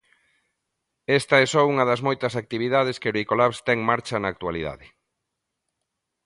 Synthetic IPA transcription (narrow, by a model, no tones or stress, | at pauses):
ɛst̪ɐɛsɔuŋɐðɐzmojt̪ɐsak̚t̪iβ̞iðað̞eskeɾwikolaβst̪ɛŋmaɾt͡ʃɐnaːk̚t̪waliða̰ðɪ